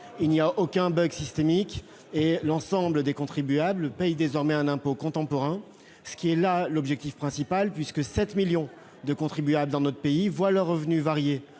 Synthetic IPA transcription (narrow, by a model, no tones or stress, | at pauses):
ilniaʔokʲɛ̃bœɡsist̪emik | elɑ̃sɑ̃bləd̪ekɔ̃t̪χibyabləpɛjd̪ezɔʁmɛɛ̃nɛ̃pokɔ̃t̪ɑ̃pɔʁɛ̃ | sə̥kʲiɛlalɔbʒɛk̚t̪ifpχɛ̃sipalpɥiskəsɛt̪miljɔ̃ | d̪əkɔ̃t̪χibyabləd̪ɑ̃nɔt̪χə̥peivwaləʁːəvnyvaʁje